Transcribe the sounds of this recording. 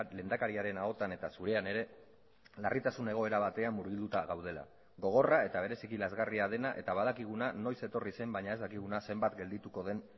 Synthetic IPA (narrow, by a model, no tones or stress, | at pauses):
le̞ːnd̪akaɾiaɾe̞nao̞t̪ane̞t̪asuɾe̞ane̞ɾe̞ | larit̪asune̞ɣ̞o̞e̞ɾaβat̪e̞amːuɾɣild̪ut̪aɣawð̞e̞la̰ | ɣo̞ɣ̞o̞rae̞t̪aβ̞e̞ɾe̞sikilazɣariað̞e̞naʔe̞t̪aβaðakiɣ̞unano̞jse̞t̪o̞rise̞mbajɲae̞zðakiɣ̞unase̞mbat̪ɡe̞ld̪it̪uko̞ðe̞n